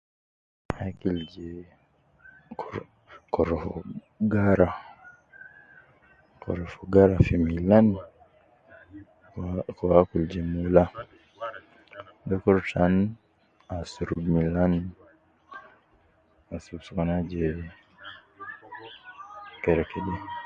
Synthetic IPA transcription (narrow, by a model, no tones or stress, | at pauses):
hakild͡ʒɛ | kɔɾɔfɔ | ɡaɾa | kɔ̰ɾɔfɔɡaɾafimilan | kɔwakuld͡ʒɛmula | bɛkɔɾtan | asuɾubmilan | asubsukanad͡ʒɛ | kɛɾɛkɛɗɛ